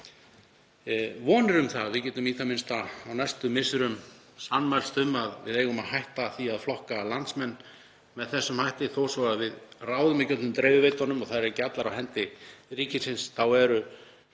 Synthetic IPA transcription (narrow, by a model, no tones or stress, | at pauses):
vɔːnɪɾʏmθavɪðcɛːt̪ʏmiːt̪ʰamɪnst̪aːwnast̪ʏmɪsɪɾʏm | sanmajlst̪ʏmaðvɪðeːjɣʏmaðhajht̪aθiaðflɔhkalant̪smɛnː | mɛðθɛsːʏmhajht̪ɪθoːwsvaɣavɪðraːwðʏmɪcœt̪lnʏmt̪ɾeːvɪvejt̪ɔnːʏmɔɣθaðɾcat̪laɾawɦɛnt̪ɪriːcɪsɪnsθawɛɾʏ